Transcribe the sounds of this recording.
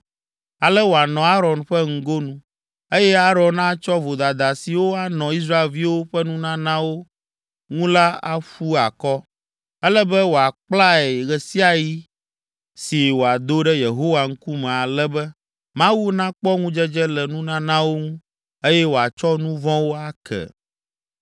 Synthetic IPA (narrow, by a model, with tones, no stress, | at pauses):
a˨lɛ˦wo˨a˨nɔ̃˨a˦ɾɔ˨nɸɛ˦ŋ̩˦ɡo˦nũ˦ | e˦jɛ˦a˦ɾɔ̃˨nnã˦t͡ʃɔ˦vo˨d̪a˨d̪a˨si˨wo˦a˦nɔ̃˨i˦s̬ɾa˦e˨lvi˦wo˦ɸɛ˦nũ˦nã˦nã˦wo˦ | ŋũ˦la˦a̰˦ɸu˦a˨kɔ˦ | ɛ˦lɛ˦bɛ˦wo˨a˨k͡pla˦ɛ˨ɣɛ˨si˦a˨ji˦ | si˨wo˨a˨d̪o˦ɖɛ˦je˨ɦo˦wa˨ŋ̩˦ku˦mɛ̃˨a˨lɛ˦bɛ˦ | mã˦wu˦nã˦k͡pɔ˦ŋũ˦d͡ʒɛ˦d͡ʒɛ˦lɛ˨nũ˦nã˦nã˦wo˦ŋũ˦ | e˦jɛ˦wo˨a˨t͡ʃɔ˦nũ˦vɔ̃˦wo˦a˦kɛ̰˨